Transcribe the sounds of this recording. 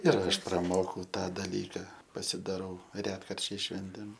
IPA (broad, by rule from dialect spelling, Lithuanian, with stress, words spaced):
ɪr ˈɐʃ prɐˈmoːkɐʊ ˈtɑː dɐˈlʲiːkɐ pɐsʲɪdɐˈrɐʊ ˈrʲæːtkɐrʲt͡ʃʲɛɪs ˈʃʲʋʲɛnʲtʲeːm